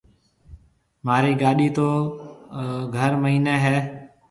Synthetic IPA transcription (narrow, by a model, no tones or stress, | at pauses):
maːɾiːɡaːɗiːt̪oː | ɡʱəɾməɦiːneːɦɛː